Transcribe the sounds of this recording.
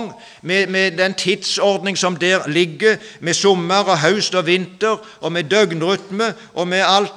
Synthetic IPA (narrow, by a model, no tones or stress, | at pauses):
ŋ | mɛmɛd̪ɛnt̪ʰɪd̪sɔʁd̪nɪŋsɔmd̪ɛːʁlɪɡːəmɛsʊmːəʁɔɦɑʉst̪ɔʋɪnt̪əʁ | ɔmɛd̪œɡnʁʏt̪mə | ʔɔmɛɑlt̪